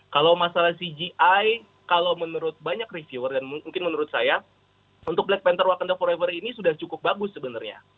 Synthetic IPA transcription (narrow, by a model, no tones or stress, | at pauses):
kalawmasalahsid͡ʒiʔaj | kalawmənuɾʊt̪̚baɲakrifuərdanmumuŋkɪnmənuɾʊt̪saja | unt̪ʊk̚blɛk̚pɛnt̪ərwakandafɔɾevərinisudaht͡ʃukʊp̚baɡʊsːəbənarɲa̰